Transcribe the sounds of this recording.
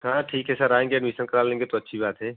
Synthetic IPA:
ɦãːʈʰiːkɦɛːsəɾaːẽːŋɡeənmisənkɐɾaːlẽːŋɡet̪oɐtːʃʰibaːt̪ɦɛː

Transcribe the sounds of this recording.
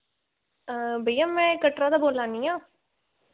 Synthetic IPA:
bəjːãːmɛ̃ːkəʈɾaːd̪aːboːlãːnĩjãː

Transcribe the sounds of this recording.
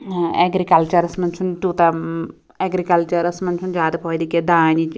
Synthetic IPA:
ɛɡɾikɐlt͡ʃɐɾɐsmɐnt͡ʃʰuntuːt̪a | ɛɡɾikɐlt͡ʃɐɾɐsmɐnt͡ʃʰund͡ʒaːd̪pʰɔːjd̪iked̪aːnit͡ʃ

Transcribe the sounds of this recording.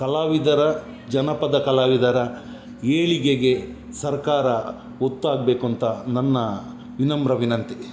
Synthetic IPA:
kɐlaːʋid̪ɐɾɐ | d͡ʒɐnɐpɐd̪ɐkɐlaːʋid̪ɐɾɐ | eːɭiɡeɡe | sɐɾkaːɾɐ | ot̪ːaːɡ̚beːkuɐnt̪ʰɐnɐnːɐ | ʋinɐmbɾɐʋinɐnt̪i

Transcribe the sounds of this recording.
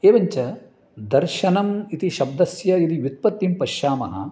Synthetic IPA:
eːʋɐɲt͡ʃɐ | d̪ɐɾʃɐnɐmit̪iʃɐbd̪ɐsjɐid̪ijut̪̚pɐt̪ːimpɐʃjaːmɐɦɐ̰

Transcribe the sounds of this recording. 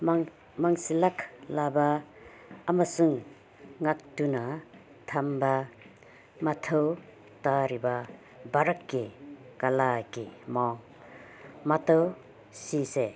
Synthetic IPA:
m | maŋsilaklabaː | masuŋ | ŋak̚tuna | t̪ʰamba | matʰaw | taɾiba | baɾakːekalakemɔŋ | mataw | sise

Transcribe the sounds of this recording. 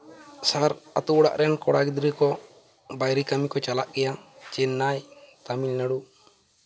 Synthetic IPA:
saɾa̰t̪uɽa̰ʔɾɛnkɔɽaɡid̪ɾikɔ | bajɾikamikɔt͡ʃalaʔkɛjat͡ʃɛnːajt̪amilnaɽu

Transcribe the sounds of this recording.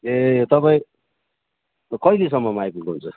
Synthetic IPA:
et̪ʌpaĩ | kʌiles̬ʌmːʌmajpukoɦunt͡sʰʌ

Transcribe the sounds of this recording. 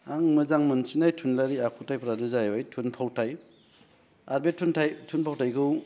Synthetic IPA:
aŋmɯzaŋmɯnsinajtʰunlaɾiakʰutajpɾadɯzajɔjtʰunpʰawtʰaj | aɾbetʰːuntʰajtʰunpʰawtʰajkɯw

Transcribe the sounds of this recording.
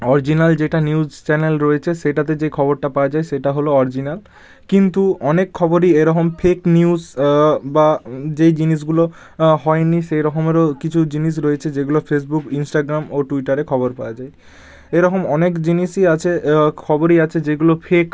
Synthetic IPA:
ɔɾid͡ʑinald͡ʑeʈaniud͡ʑt͡ɕɛnelɾoet͡ɕʰeʃeʈat̪̬ed͡ʑejkʰɔboɾʈapaoad͡ʑaeʃeʈaɦoloɔɾid͡ʑinal | kint̪uɔnekʰːɔboɾieɾɔkomfʰekniuzbad͡ʑejd͡ʑiniʃ̬ɡulo | ɦɔeniʃejɾɔkomeɾokit͡ɕʰud͡ʑiniʃ̬ɾoet͡ɕʰed͡ʑeɡulofʰes̬bukinsʈaɡɾamoʈuiʈaɾekʰɔboɾpaad͡ʑae | eɾɔkomɔnekd͡ʑiniʃiat͡ɕʰekʰɔboɾiat͡ɕʰed͡ʑeɡulofʰek

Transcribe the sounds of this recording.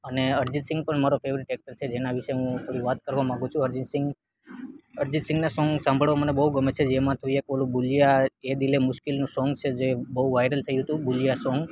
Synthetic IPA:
əneəɾd͡ʒisɪ̃ŋɡ̚pəɳmaɾofʰeʋɾiʈek̚ʈəɾt͡ʃʰed͡ʒenaʋiʃeɦũt̪ʰoɽiʋat̪kəɾʋamãŋɡũt͡ʃʰũəɾd͡ʒisɪ̃ŋɡ | əɾd͡ʒit̪sɪ̃ŋɡnasɔ̃ŋɡsãmbʱəɭʋamənebəɦuɡəmet͡ʃʰed͡ʒemãt̪ʰuiekʋəlũbulijaed̪ilemʊʃkilnũsɔŋɡt͡ʃʰed͡ʒebəɦuʋajɾəlt̪ʰəjũɦət̪ũbulijasɔ̃ŋɡ

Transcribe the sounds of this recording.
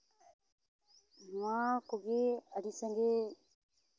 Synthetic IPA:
mãːkoɡeːəɾiːsə̃ŋɡeː

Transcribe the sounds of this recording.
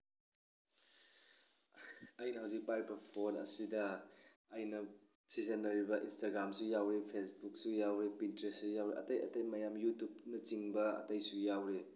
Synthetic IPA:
ɐjnɐɦawzik̚pajpɐpʰonɐ̰sidɐː | jnɐ | sizɐnːɐɾibɐʔinstaɡɾamsujawɾipʰesbuk̚sujawɾepintɾessujawɾeʔɐ̰tɐjɐ̰tɐjmɐjamjutjupnɐt͡ʃiŋbɐɐ̰tɐjsujawɾe

